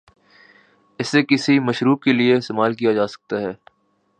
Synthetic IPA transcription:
ɪsːekɪsimɐʃɾuːb̚kelieɪst̪emaːlk̬ijad͡ʒaːsɐ̥k̚t̪aɦɛː

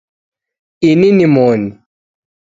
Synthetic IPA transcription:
ininimoːni

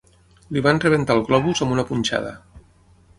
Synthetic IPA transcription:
liβanrəβ̞ent̪alˠɣlɔβuzəmunəpunʲt͡ʃa̰ðə̰

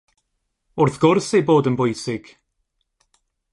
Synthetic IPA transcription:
ʊrθɡ̥ʊrsejboːdənbʊjsɪɡ̥

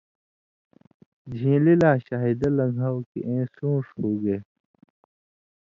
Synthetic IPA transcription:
d͡ʑʱĩːlilaːɕaːɦid̪ɐlɐɡʱaːwkḭʔẽːsũːʂhuːɡeː

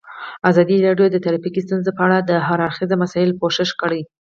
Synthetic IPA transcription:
azɑd̪iɾɑɖjod̪ət̪aɾɑfikist̪unzepəaɽad̪əɦaɾaɾxizamasɑjɪlkoʃɪʃkəɽəj

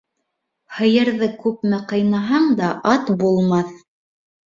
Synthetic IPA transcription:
hɤ̆jɤ̆ɾðɤkʉpmæqɤ̆jnɑɦɑɴd̪ɑʔɑt̪bulˠmɑθ

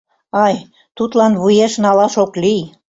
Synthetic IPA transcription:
ɑj | t̪ut̪lɑnβujeʃnɑlɑʃoklij

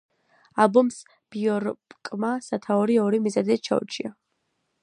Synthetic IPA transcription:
alˠbɔms | b̥iɔɾpkʼmasat̪ʰaɔɾiɔɾimizad̪ɛt͡ʃʰa̰ṵt͡ʃʰia

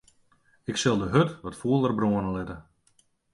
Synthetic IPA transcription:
ɪksɪlˠdəɦøtʋɔtfuəlˠərbroənəlɪtə

